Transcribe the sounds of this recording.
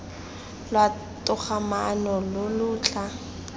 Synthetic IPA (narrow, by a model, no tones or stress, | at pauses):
lwa | tʊχamanɔlʊlʊːt͡ɬʼa